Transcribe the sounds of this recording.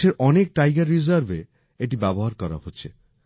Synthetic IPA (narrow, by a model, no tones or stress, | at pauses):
eɾʔɔnek̚ʈajɡaɾːizaɾbʱe | eʈibɛboɦaɾkɔɾa̰ɦoːɕʰḛ